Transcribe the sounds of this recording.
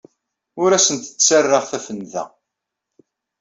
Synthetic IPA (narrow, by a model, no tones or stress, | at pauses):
ʊɾæsənt̪ə̥t͡sːt͡sːərːəʁθæfənðæ̰